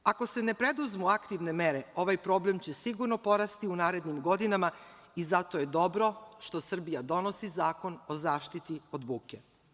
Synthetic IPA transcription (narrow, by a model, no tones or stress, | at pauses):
ako̞se̞ne̞pɾe̞d̪uzmuakt̪iʋne̞meɾe̞o̞ʋajpɾo̞ble̞mt͡ɕesiɡuɾno̞po̞ɾast̪iunaːɾe̞d̪nimɡo̞d̪inama | izat̪oje̞d̪o̞bɾo̞ʃt̪o̞sr̩bijad̪o̞no̞sizaːko̞nozaːʃt̪it̪io̞d̪buːkḛ